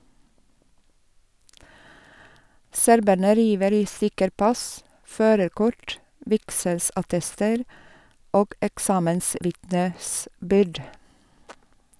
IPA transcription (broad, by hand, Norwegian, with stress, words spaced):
ˈsæɾbæɳə ˈɾiːʋəɾ ˈiː ˈsʏkəɾ ˈpɑs ˈføːɾəɾˌkʊʈ ˈʋɪksɛlsɑˌtɛstəɾ ˈoːɡ ɛkˈsɑːmənˌsʋɪtnəˌsbʏɾd